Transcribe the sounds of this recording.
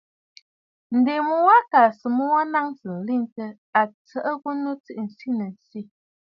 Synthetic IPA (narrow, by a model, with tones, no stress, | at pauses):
n̩˨de˨mu˦wa˦ka˨sə˨mu˦wa˦na˦ŋsə˨n̩˨li˦˨ntə˦ | a˨t͡sə˦ʔə˦ɣu˦nu˦t͡si˦ʔn̩˨si˦nə˨n̩˨si˦